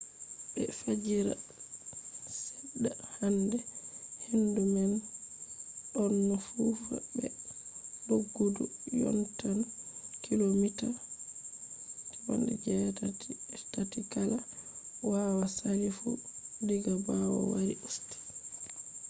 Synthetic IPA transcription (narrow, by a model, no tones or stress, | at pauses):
bɛ̰fad͡ʒiɾa̰ | sɛdːahandɛhendumɛn | ɗɔnːɔfufa̰bɛ̰ | ɗoɡːudṵjɔ̰ntankilomita | tiwɔ̰ndɛ̰d͡ʒɛ | tatikalawawasaɾifṵdiɡabawɔ̰waɾiʔusti̥